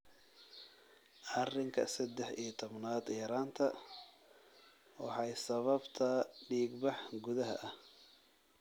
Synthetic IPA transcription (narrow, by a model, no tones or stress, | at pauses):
ʔɐrɪŋkʰɐ̰sɐd̪ɛħiːt̪ʰɔbnaːd̪ɛɾaːnt̪ʰɐ | wɑħɑjsɐβɐbt̪ʰɐɖiːɡbɑħɡʊðɐɦɐ̰ʔɐh